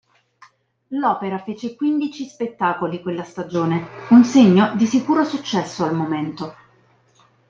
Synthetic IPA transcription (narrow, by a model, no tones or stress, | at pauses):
lɔːpeɾafeːt͡ʃekwind̪it͡ʃispet̪ːaːkolikwelːast̪ad͡ʒoːneunseɲːod̪isikuːɾosut͡ʃːɛsːoalmoment̪o